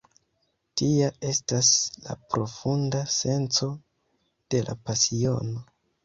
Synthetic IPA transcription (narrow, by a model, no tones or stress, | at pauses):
tiae̞stasla̰pɾo̞fundase̞nt͡so̞ | d̥e̞lʔa̰pasio̞̰no̞